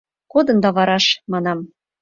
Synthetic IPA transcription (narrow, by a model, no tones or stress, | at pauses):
kod̪ɤ̆nd̪ɑβɑɾɑʃmɑnɑm